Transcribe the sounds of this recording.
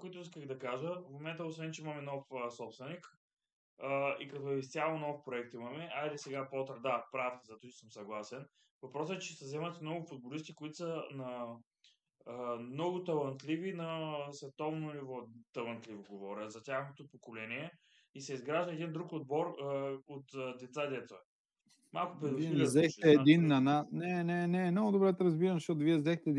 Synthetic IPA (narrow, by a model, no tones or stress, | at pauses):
kʊit̪ʊiskəɣd̪ɐkaʒəvmomɛnt̪əosvɛnt͡ʃɛimɐmɛnɔfəsɔpst̪vɛnik | əikɐt̪ɔɛist̪ʲjalˠonɔfpɾoɛk̚t̪imɐmɛʔailɛsɛɡapɔt̪əɾd̪apɾafzɐt̪usəmsɐɡlˠasɛn | vɐpɾɔsɛt͡ʃɛsɐzɛmət̪inɔɡʊfʊd̪̚bolist̪ikoit̪ʊ̥sənɐ | mnɔɡʊt̪ɐlˠɐnt̪livinɐsvɛt̪ɔvnonivɔt̪ɐlˠɐnt̪livoɡovɔɾʲəzɐt̪ʲaxnot̪opokolɛniɛ | isɛizɡɾaʒd̪əɛd̪ind̪ɾukod̪̚bɔɾot̪d̪ɛt̪sad̪ɛt̪oɛ | malˠkʊpɾɛd̪ʊvzɛxt̪ɛːd̪inːɐnasnɛnɛnɛmnɔɡʊd̪obɾɛt̪ɛɾɐzbiɾɐmzɐʃt̪ɔt̪ʊviɛzɛxt̪ɛɛ